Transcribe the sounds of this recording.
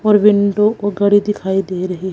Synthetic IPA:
ɔːɾʋɪ̃ɳɖokoɡɐɽid̪ɪkʰaːid̪eːɾɐɦeɦ

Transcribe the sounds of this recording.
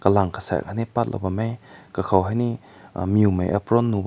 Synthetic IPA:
kalaŋkʰḁsa̰a̰kʰanipat̚lʔa̰bamajkakʰawɦajni | miumajʔa̰pɾɔnːub

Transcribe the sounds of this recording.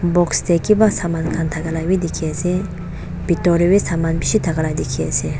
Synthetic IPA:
bɔkst̪ʰekibasamankʰant̪ʰaɡalawid̪ikʰesi | b̥it̪ɔɾiwisamanbiʃit̪ʰaɡalajd̪ikʰesi

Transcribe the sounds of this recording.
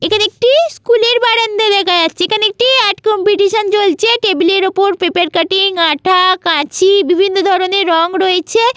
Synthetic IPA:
ekʰanek̚ʈiskuleɾbaɽent̪ed̪ɛkʰajast͡ɕʰeekʰanek̚ʈiaʈkɔmpiʈiʃənt͡ɕolt͡ɕʰeʈebleɾopoɾpepeɾkaʈiŋaʈʰakãt͡ɕʰibibʱinːod̪ʱɔɾoneɾɔŋɡɾɔet͡ɕʰe

